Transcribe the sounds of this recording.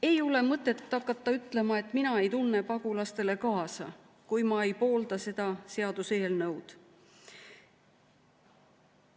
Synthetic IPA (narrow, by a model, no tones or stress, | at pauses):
e̞jole̞mɤt̪ˑːe̞t̪ːɑkːˑɑt̪ːɑyt̪ːˑle̞mɑe̞t̪ːˑminɑe̞jt̪unːe̞pɑɡ̥ulɑst̪e̞le̞kɑːsɑ | kujmɑe̞jpo̞ːld̪ɑse̞d̪̥ɑse̞ɑd̪̥use̞ːlnɤwd̪̥